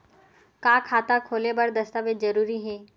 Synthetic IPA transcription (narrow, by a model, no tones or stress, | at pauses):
kaːkʰaːt̪akʰoːlebɐɾd̪ɐst̪aːbezɐɾuːɾiɦɛː